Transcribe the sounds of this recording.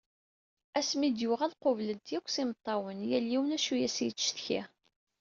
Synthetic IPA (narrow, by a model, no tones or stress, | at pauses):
æsmid̪jʊʁælqovləd̪jækʷːsimət̪ˤːɑwənjælːiwənæʃujæsjəːθçḭ